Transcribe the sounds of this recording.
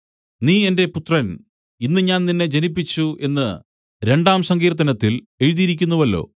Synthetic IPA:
niːe̞nde̞put̪rɐn | inːɨɲaːnninːe̞d͡ʑenipːit͡ɕːuʔe̞nːɨ | ɾe̞ɳɖaːmsɐŋɡiːrt̪̬ːɐnɐt̪ːil | e̞ɻiðijiɾikʲːunːɐʋɐlːo̞̰ː

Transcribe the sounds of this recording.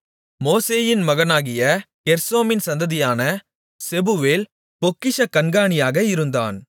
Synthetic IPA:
moːseːjɪnmɐɣɐnaːɣɪjɐ | kɛɾsoːmɪnsɐnd̪ɐðɪjaːnɐ | sɛbʊʋeːl | pɔkːɪʂɐkːɐnɡaːɳɪjaːɣɐɪɾɯnd̪a̰ːn

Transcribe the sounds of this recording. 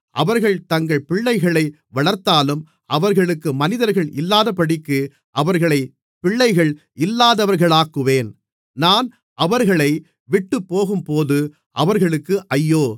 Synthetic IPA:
ʔɐ̰ʋɐɾɣɐɭt̪ɐŋɡɐɭpɪɭːɐɪɣɐɭɐɪ | ʋɐɭɐɾt̪ːaːlɯm | ʔɐʋɐɾɣɐɭɯkːɯmɐnɪðɐɾɣɐɭʔɪlːaːðɐpːɐɽɪkːɯ | ʔɐʋɐɾɣɐɭɐɪ | pɪɭːɐɪɣɐɭ | ɪlːaːðɐʋɐɾɣɐɭaːkːɯʋeːn | naːn | ʔɐʋɐɾɣɐɭɐɪ | ʋɪʈːɯpːoːɣɯmpoːðɯ | ʔɐʋɐɾɣɐɭɯkːɯʔɐjːoː

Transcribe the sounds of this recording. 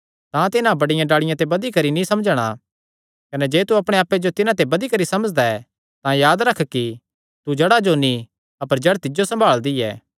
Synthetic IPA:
t̪ãt̪ɪnãbɐɽɪjãɖaːɭɪjãt̪ebɐd̪ikɐɾinĩsɐmd͡ʒɽ̃a̰ | kɐnɛd͡ʒeːt̪uɐpɽ̃eaːpːed͡ʒot̪ɪnãt̪̬ebɐd̪ikɐɾisɐməd͡ʒd̪aɛ | t̪ãjaːd̪ɾɐkʰki | t̪ud͡ʒɐɽad͡ʒoni | ɐpəɾd͡ʒɐɽat̪ɪd͡ʒosɐ̃mbʱaːɭd̪iɛ̰ː

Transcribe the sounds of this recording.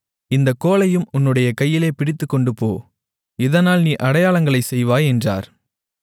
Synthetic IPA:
ɪnd̪ɐkːoːlɐjɯmʊnːɯɽɐjɐkɐjːɪleːpɪɽɪt̪ːɯkːɔɳɖɯpoː | ɪðɐnaːlniːʔɐɽɐjaːɭɐŋɡɐɭɐɪsɛjʋaːɛndra̰ːɾ

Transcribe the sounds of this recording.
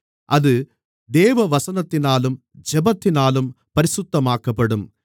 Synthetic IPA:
ʔɐðɯ | d̪eːʋɐʋɐsɐnɐt̪ːɪnaːlɯm | d͡ʒɛbɐt̪ːɪnaːlɯmpɐɾɪsʊt̪ːɐmaːkɐpːɐɽɯm

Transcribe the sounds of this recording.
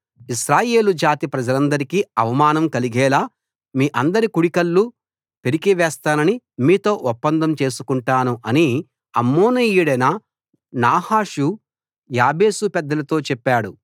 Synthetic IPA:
isɾaːje̞ːlud͡ʒaːt̪ipɾɐd͡ʒɐlɐnd̪ɐɾikiɐʋɐmaːnɐmkɐliɡɛːlaː | miːʔɐnd̪ɐɾikuɽikɐlːu | pe̞ɾikiʋɛːst̪aːnɐni | miːt̪o̞ːʔɔpːɐnd̪ɐmt͡ʃe̞ːsu̥kuɳʈaːnuʔɐni | ɐmːoːnɐjuɽɐjnɐ | naːhaːʂu | jaːbe̞ːsupɛd̪ːɐlɐt̪o̞ːt͡ʃɛpːaːɽu

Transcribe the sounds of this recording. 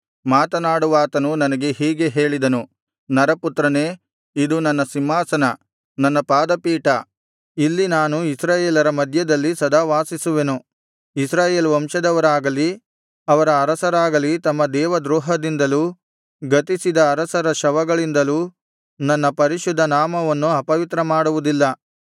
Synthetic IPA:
maːt̪ɐnaːɽuʋaːt̪ɐnunɐnɐɡe̞ɦiːɡe̞ɦe̞ːɭid̪ɐnu | nɐɾɐput̪ɾɐne̞ː | id̪unɐnːɐsimɦaːsɐnɐ | nɐnːɐpaːd̪ɐpiːʈɐ | ilːinaːnuisɾaːjeːlɐɾɐmɐd̪ʱjɐd̪ɐlːisɐd̪aːʋaːsisuʋe̞nu | isɾaːjeːlʋɐmʃɐd̪ɐʋɐɾaːɡɐli | ɐʋɐɾɐːɾɐsɐɾaːɡɐlit̪ɐmːɐd̪ɛːʋɐd̪ɾuːɦɐd̪ind̪ɐluː | ɡɐt̪isid̪ɐːɾɐsɐɾɐʃɐʋɐɡɐɭind̪ɐluː | nɐnːɐpɐɾiʃud̪ʱːɐnaːmɐʋɐnːuɐpɐʋit̪ɾɐmaːɽuʋud̪ilːɐ

